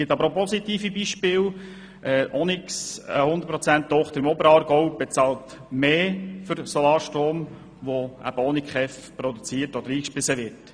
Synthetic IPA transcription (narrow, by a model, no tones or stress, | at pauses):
ɪtɑbəɾopɔsit̪iːfibiːʃpɪːw | ʔɛʔɔnɪksə̰hʊnd̪ət̚pɾɔt͡sænttːɔχt̪əɾɪmɔbəɾɑːɾɡɔʊb̥et͡sɑːlt | meːfʏɾsɔlɑːɾʃtɾoːm | ʋoæ̰b̥əɔnɪkχɛfpɾod̪ut͡siːtɔd̥̪əɾiːkʃpɪsəʋɪɾt